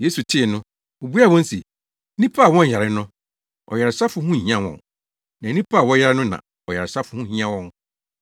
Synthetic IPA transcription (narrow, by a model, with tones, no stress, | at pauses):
je˦su˨tʰɪ˦˨nʊ̃˦ | o˨bu˦a˦˨wɔ̃˦n˦se˨˦ | ĩ˦pʰa˦˨wɔ̃˦n˨jɛ˨ɾɪ˦nʊ̃˦ | ɔ̰˨jɛ˨ɾɪ˨sa˦fʊ˦hũ˦˨hĩ˦ã˦wɔ̰̃˨n | nã˨˦nĩ˦pʰa˦˨wɔ̃˦jɛ˦ɾɪ˦nʊ̃˦nã̰˨ | ɔ˨jɛ˨ɾɪ˨sa˦fʊ˦hʊ̃˦hĩ˦ã˦wɔ̃˦ŋ